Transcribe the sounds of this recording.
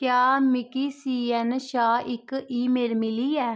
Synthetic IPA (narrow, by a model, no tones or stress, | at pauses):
kjaːmɪkiːsiːɛnʃaːɪkiːmeːlmɪliːɛː